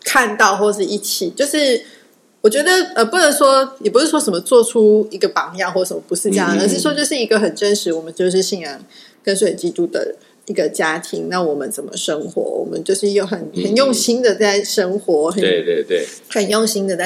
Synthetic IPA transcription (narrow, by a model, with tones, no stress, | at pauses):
kʰa˥˧nt̪ɑ˥˧ʊxwɔ˥˩ʂɻ̩˥˧˩i˥˩t͡ɕʰi˨˩˦t͡ɕjo˥˧ʊʂɻ̩˥˩ | wɔ˨˩t͡ɕɥɛ˧˥d̪ə˨ə˧˩pu˥˩nə˧˥ŋʂwɔ˥jɛ˨˩pu˧˥ʂɻ̩˥˩ʂwɔ˥ʂə˧˩mə˧t͡swɔ˥˩ʈ͡ʂʰu˥i˧˥ɡə˧pɑ˨˥ŋjɑ˥˧ʊxwɔ˥˩ʂə˨˩mə˨˩pu˧˥ʂɻ̩˥˧ʈ͡ʂɤ˥jɑ˥ŋ˨ə˧˩ʂ̬ɻ̩˥˩ʂwɔ˥t͡ɕjo˥˧ʊʂɻ̩˥˩i˧˥ɡə˧xə˨˩nʈ͡ʂə˥nʂɻ̩˨˥wɔ˨˩mə˦nt͡ɕjo˥˧ʊʂ̬ɻ̩˥˧ɕi˥njɑ˧˥ŋ | kə˥˦nswe˥˩˨t͡ɕi˥t̪u˥d̪ə̰˨˩ | i˧˥ɡə˧t͡ɕja˥t̪ʰḭ˧˥ŋna˥˩wɔ˨˩mə˦nt͡sə˨˩nmə̰˦ʂə˥ŋxwɔ̰˧˥wɔ̰˨˩mə̰˦nt͡ɕjo˥˧ʊʂɻ̩˥˩jo˥˩ʊxə˨˩nxə˨˩njo˥˩ŋɕi˥ŋd̪ə˨t͡sa˥˩ɪʂə˥ŋxwɔ˧˥xə˨˥˧t̪e˧˩we˥˩ | xə˨˩njo˥˩ŋɕi˥ŋd̪ə˨t͡sa˥˩